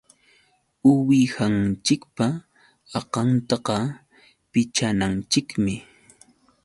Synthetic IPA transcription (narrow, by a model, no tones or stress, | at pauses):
ʊwɪhant͡ʃɪkpa | ɑqɑnt̪ɑqɑ | pɪt͡ʃanant͡ʃɪkmɪ